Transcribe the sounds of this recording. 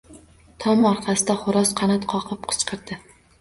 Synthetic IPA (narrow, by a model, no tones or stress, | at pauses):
t̪ʰɒmɒɾqʰɑsɪd̪aχʊɾɒsqʰɑnat̪qʰɒqʰɨp̚qʰɨ̥t͡ʃqʰɨɾd̪ɪ